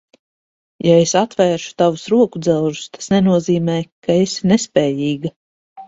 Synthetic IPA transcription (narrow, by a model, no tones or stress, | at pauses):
jaesat̪vɛːɾʃu̥t̪avusɾuɔkud̪zɛlˠʒust̪ḁsnɛnuɔziːmɛːkaesnɛspɛːjiːɡa